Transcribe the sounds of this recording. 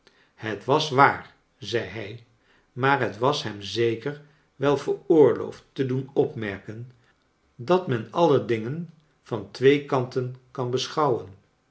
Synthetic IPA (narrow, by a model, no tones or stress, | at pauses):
hətʋɑsʋaːɹ | zɛjɦɛj | maːɹɦətʋɑsɦɛmzejkəɹ | ʋɛlˠvəɹʊːɹlo̰wftːədunɔpmɛɹkən | dɑtmɛnɑlədɪŋən | v̥ɑntʋejkɑntənkɑnbəsχɑwən